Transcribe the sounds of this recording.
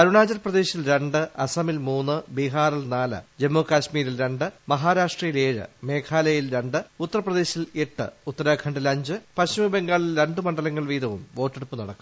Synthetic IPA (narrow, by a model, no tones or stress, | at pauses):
pɐɾuɳaːd͡ʑɐrprɐd̪e̞ːɕilɾe̞ɳɖɨʔɐsɐmilmuːnːɨbiɦaːrilnaːlɨ̰d͡ʑe̞mːoːkaːɕmiːɾilɾe̞ɳɖɨmɐɦaːɾaːʂʈrɐjile̞ːɻɨ̰me̞ːkʰaːlɐjilɾe̞ɳɖɨut̪ːɐɾrɐprɐðe̞ːɕile̞ʈːɨ̰ut̪ːɐɾaːkʰɐɳɖilɐɲd͡ʑɨpɐɕumɐbe̞ŋɡaːɭilɾe̞ɳɖɨmɐɳɖɐlɐŋːɐɭʋiːðɐʋṵmʋo̞ːtːeɽupːɨnɐɽɐkːum